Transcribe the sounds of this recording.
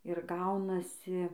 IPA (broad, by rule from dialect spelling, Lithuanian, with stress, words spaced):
ɪr ˈɡɐʊnɐsʲɪ